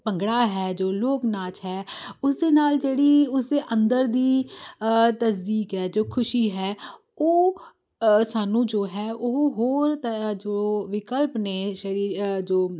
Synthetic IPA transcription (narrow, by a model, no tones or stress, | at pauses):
pəŋɡɽaːɦɛːd͡ʒoːloːknaːt͡ʃɦɛːʊs̬d̪eːnaːld͡ʒeːɽiːʊsd̪eːʔə̃nd̪əɾd̪iː | t̪əs̬d̪iːkɦɛːd͡ʒoːkʰʊʃiːɦɛː | oː | saːnũːd͡ʒoːɦɛːʔʊɦoːɾt̪d͡ʒooʋɪkəlpneːʃəɾiːɾd͡ʒoː